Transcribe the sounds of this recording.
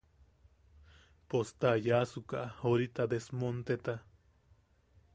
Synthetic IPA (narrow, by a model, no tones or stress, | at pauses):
post̪ajasukaʔahoɾit̪ad̪esmont̪et̪a